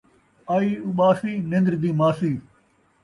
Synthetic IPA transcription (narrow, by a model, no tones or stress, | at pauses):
aːiːuɓaːsiːnẽnd̪ɾd̪iːmaːsiː